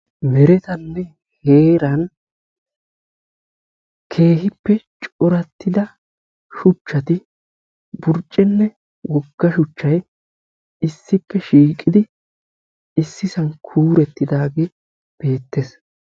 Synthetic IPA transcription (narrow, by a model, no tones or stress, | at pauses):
mɛɾɛt̪ɐnːɛ | heːɾɐn | kʰe̞ːɦɪpːɛt͡ʃʼɔɾɐt̪ːɪd̪ɐ | ʃʊt͡ʃːɐt̪ɪ | bʊɾt͡ʃʼːɛnːɛ | wʔɔɡ̥ːɐʃʊt͡ʃːɐj | ɪsːɪpːɛʃiːkʼːɪd̪ɪ | ɪsːɪsɐnkʰuːɾɛt̪ːɪd̪aːɡe | b̥e̞ːt̪ːes